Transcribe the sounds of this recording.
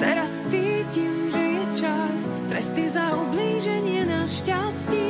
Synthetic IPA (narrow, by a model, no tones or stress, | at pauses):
t̪ɛɾast͡siːcimʒɛjɛt͡ʃas | t̪ɾɛst̪izaubliːʒɛɲɪɛnaʃcascɛ